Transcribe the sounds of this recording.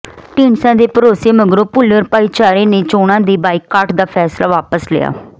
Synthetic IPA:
ʈiːɳsãːd̪eːpəɾoːseːməɡɾõːpʊlːəɾpaːiːt͡ʃaːɾeːneːt͡ʃoːɽãːd̪iːbaːiːkːaːɾʈd̪aːpʰɛːslaːʋaːpəslɪ̰ja̰ː

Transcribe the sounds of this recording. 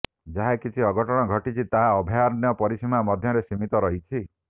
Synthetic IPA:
d͡ʒaɦakit͡ʃʰiɔɡɔʈɔɽ̃ɔɡʱɔʈit͡ʃʰit̪aɦaɔbʱijaɾnjɔpɔɾisimamɔd̪ʱjɔɾesimit̪ɔɾɔɦit͡ʃʰi

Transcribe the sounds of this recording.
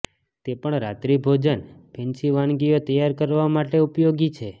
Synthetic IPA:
t̪epəɳɾat̪ɾibʱod͡ʒənpɛ̃nt͡ʃiʋanɡijot̪əjaɾkəɾʋamaʈeupjoɡit͡ʃʰe

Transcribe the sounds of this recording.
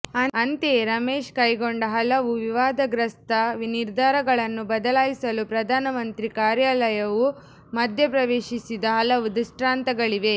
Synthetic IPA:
ɐɐnt̪eɾɐmeːʃkɐjɡoɳɖɐɦɐlɐʋuʋiʋaːd̪ɐɡɾɐst̪ɐʋniɾd̪ʱaːɾɐɡɐɭɐnːubɐd̪ɐlaːjisɐlupɾɐd̪ʱaːnɐmɐnt̪ɾikaːɾjaːlɐjɐʋu | mɐd̪ʱjɐpɾɐʋeːʃisid̪ɐɦɐlɐʋud̪iʂʈɾaːnt̪ɐɡɐɭiʋe̞

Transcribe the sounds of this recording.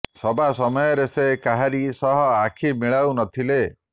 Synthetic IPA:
sɔbasɔmɔjɔɾesekaɦaɾisɔɦɔakʰimiɭawnɔt̪ʰile

